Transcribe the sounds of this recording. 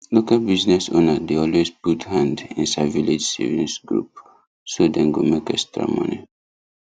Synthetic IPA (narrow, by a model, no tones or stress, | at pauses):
lokalbiznɛso̰nadeɔlwezputhãndḭ̃nsaviled͡ʒsḛvĩnsɡɹṵp̚ | sodɛ̃nɡomekɛstɹa̰mɔ̰̃nḭ